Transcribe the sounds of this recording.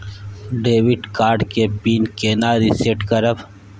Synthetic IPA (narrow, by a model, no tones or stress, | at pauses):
ɖeːwiɖkaːɾɖkepiːnkeːnaːɾiseʈkɐɾəb